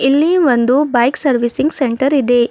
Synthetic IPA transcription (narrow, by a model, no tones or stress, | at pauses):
ilːiʋond̪ubɐjksɐɾʋisiŋɡseɳʈɐɾid̪e